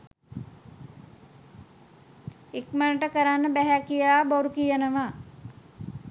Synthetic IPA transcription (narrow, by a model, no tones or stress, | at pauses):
ekmənəʈəkəɾanːəbæɦækijəlaːboɾukijənəʋaː